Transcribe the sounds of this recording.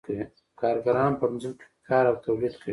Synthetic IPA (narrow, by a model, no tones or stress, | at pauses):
ki | kɑɾɡaɾɑnpənzəlke̥kʰɑːɾawt̪awlid̪kʰəi